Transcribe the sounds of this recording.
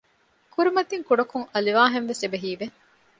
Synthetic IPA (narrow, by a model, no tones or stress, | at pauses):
kuɾimɐt̪iŋkuɖɐkuŋɐliʋaːɦenʋesebeɦiːʋe